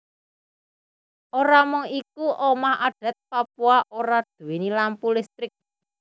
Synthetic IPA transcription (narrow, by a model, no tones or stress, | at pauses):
ʔoɾamʊŋik̚uʔomahaɖ̥a̤t̪̚papuaʔoɾad̪̥ṳwinilampulɪst̪ɾɪk̚